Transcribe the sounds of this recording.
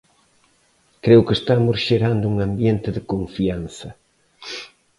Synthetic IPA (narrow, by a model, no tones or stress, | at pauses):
kɾewkɪest̪amʊsʃeɾand̪ʊuŋambjent̪ɪðɪkoɱfianθɐ